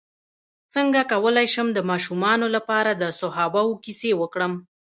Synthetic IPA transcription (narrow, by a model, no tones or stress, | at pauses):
t͡səŋɡakawəlajʃəmd̪əmɑʃumɑnolapɑɾad̪əsʊɦɑbawokisewəkɽəm